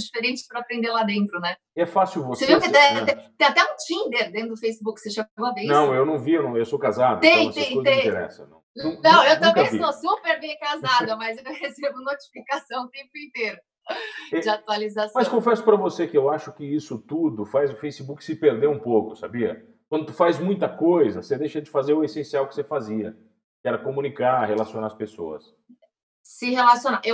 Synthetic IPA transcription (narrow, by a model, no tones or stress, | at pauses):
d͡ʒifeɾẽt͡ʃɪ̥spɾɐapɾẽnd̪eɾlad̪ẽnt̪ɾʊnɛ | ɛfasjuwvoseviwkɪt̪ɛat̪ɛt̪ẽat̪ɛũt͡ʃĩnd̪eɾd̪ẽʊd̪ʊfejsɪbukɪ̥seʃeɐvẽjnɐ̃w̃ewnɐ̃w̃viewnɐ̃w̃ewsokazad̪ɐt̪ẽj̃otsẽj̪̃ud̪ẽt̪eɾɛ̰sɐ̰nɐ̰̃w̃nɐ̃w̃ewt̪ãvẽviɐ̃w̃sɪõpeɾɡ̪ejkazad̪ɐmɐzewhesebʊnot͡ʃi̥fikasɐ̃w̃t̪ẽmpʊĩnt̪eɾʊ | ɛd͡ʒɪat̪ualizasmɐskõfɛsʊ̥pɾɐvosekɪewaʃʊkɪisʊt̪ud̪ʊfajzʊfejsibukɪ̥sɪpeɾd̪ewũpowkʊsa̰biɐ̰ | kwɐ̃nd̪ʊt̪u̥fazmũj̃t̪ɐkojzɐsed̪ejʃɐd͡ʒɪfazeɾʊesẽsiawkɪ̥sefaziɐ̰ | kɪɛɾɐkomũnikahelasionaɾɐspeso̰ɐ̰s | sɪhelasjõnaʔew